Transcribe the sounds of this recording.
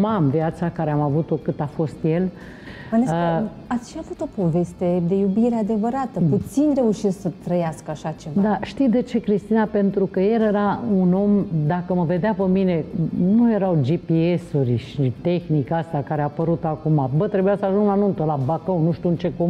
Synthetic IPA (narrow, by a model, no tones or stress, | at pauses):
mamviat̪sakaɾeamavut̪o̞kɨt̪afo̞st̪je̞l | mana | at̪sʃiavut̪o̞po̞ve̞st̪e̞d̪e̞jubiɾe̞ad̪e̞vəɾat̪əput̪sinɾe̞uʃest̪sət̪ɾəjaskəaʃat͡ʃe̞vad̪aʃt̪id̪e̞t͡ʃe̞kɾist̪inape̞nt̪ɾukəjele̞ɾauno̞md̪akəməve̞d̪eapəmine̞nuje̞ɾawd͡ʒipie̞suɾʲʃit̪e̞xnikast̪akaɾeapəɾut̪oakumabət̪ɾe̞bujasəaʒuŋɡlanunt̪əlabakəwnuʃt̪unt͡ʃe̞kum